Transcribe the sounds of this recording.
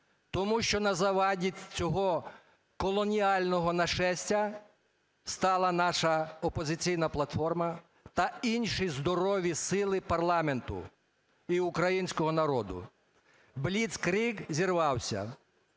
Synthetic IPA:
t̪ɔmuʃt͡ʃɔnɐzɐʋɑdʲit͡sʲɔɦɔ | kɔlˠɔnʲiɑlʲnɔɦɔnɐʃɛsʲtʲɐ | st̪ɑlˠɐnɑʃɐɔpɔzɪt͡sʲijnɐplˠɐt̪fɔrmɐ | t̪ɐinʲʃijzd̪ɔɾɔʋʲisɪlˠɪpɐrlˠɑme̞nt̪ʊ̰ | iukɾɐjinʲsʲkɔɦɔnɐɾɔd̪ʊ̰ | blʲit̪skɾikzʲirʋɑwsʲɐ̰

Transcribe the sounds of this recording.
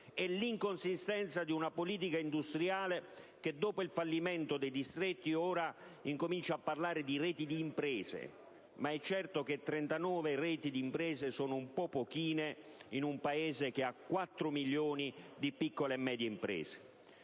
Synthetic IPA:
ɛliŋkonsist̪ɛnt̪sad̪iunapoliːt̪̬ikaind̪ust̪ɾjaːlek̟ed̪ːɔːpoilfalːimɛnt̪od̪ejd̪ist̪ɾɛt̪ːioːɾaiŋkomint͡ʃaːpːarlaːɾɪd̪irɛːt̪id̪iːmpɾɛːzḛ | maɛt͡ʃːɛrt̪oket̪ːɾɛnt̪anɔːverɛːt̪id̪iːmpɾɛːzesɔːnʊumpɔpːokiːneinumpaeːzek̟eakːwat̪ːɾʊmiljoːnid̪ipikːolemːɛːd̪jeimpɾɛ̰ːze̥

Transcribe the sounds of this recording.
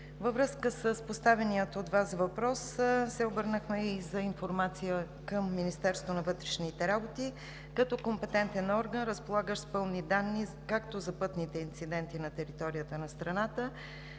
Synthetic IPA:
vəvɾɤskəsəspost̪avɛnijət̪ot̪vasvɐpɾɔssɛobɤɾnəxmɛizɐinfoɾmat̪sijə | kəmːinist̪ɛɾst̪vonɐvɤt̪ɾɛʃnit̪ɛɾabot̪i | kɐt̪ɔkompɛt̪ɛnt̪ɛnɔɾɡənɾəspolˠaɡəʃspɤlˠnid̪anːi | kakt̪ozɐpɤt̪nit̪ɛint̪sid̪ɛnt̪inɐt̪ɛɾit̪ɔɾijət̪ənɐst̪ɾɐnat̪ə

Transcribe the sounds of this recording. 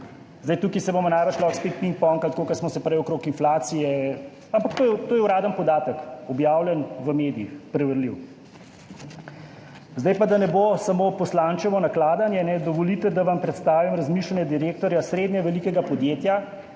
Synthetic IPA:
zd̪ajt̪uːkisɛbomɔnaːjʋət͡ʃlɔxspet̪̚piŋk̚pɔːŋkat̪koːkɐɾsmɔsɛpɾɛjwɔkɾoːkinflaːt̪sijɛ | ampakt̪oːjɛt̪oːjɛuwɾaːd̪ənpɔd̪aːt̪əkɔbjaːwlʲjɛnʋəmeːd̪iixpɾɛʋəɾliw | zd̪ajpad̪anɛbosamopɔslant͡ʃɛmɔnaklaːd̪anjɛnɛd̪ɔʋɔlit̪ɛd̪aʋampɾɛt̪st̪aːʋimɾɐzmiːʃlanjɛd̪iɾeːk̚t̪ɔɾjasɾeːd̪nɛʋɛlikɛɡapɔd̪jeːt̪ja

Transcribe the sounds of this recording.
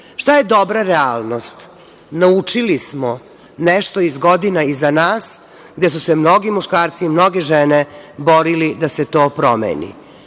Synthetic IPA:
ʂt̪ajed̪obɾaɾealˠnost̪ | naut͡ʂilismo | neʃt̪oizɡod̪inaizanaːs | ɡd̪es̬usemno̞ɡimuʃkaːɾt̪siːmno̞ɡeʒenebo̞ɾilid̪aset̪o̞ːpɾomḛːnḭ

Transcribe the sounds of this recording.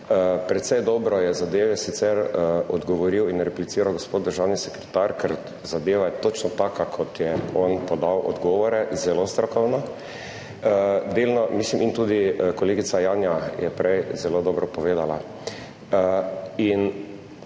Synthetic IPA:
əpɾɛt̪sɛjd̪ɔbɾɔjɛzad̪eːʋɛsit̪sɛɾɔd̪ɡɔʋɔɾiwinɾɛplit̪iːɾawɡospoːt̪̚d̪əɾʒawnisɛkɾɛt̪aɾkʰɛɾ | zad̪eːʋat̪ot͡ʃnɔt̪aːkakʰɔt̪jɛɔnpɔd̪awʔɔ̰d̪ɡɔːʋɔɾɛzɛlost̪ɾɔkɔwnɔ | d̪elnɔmislimint̪ud̪ikɔleːɡitsajaːnjajɛpɾɛjzɛlod̪ɔːbɾɔpɔʋeːd̪ala | in

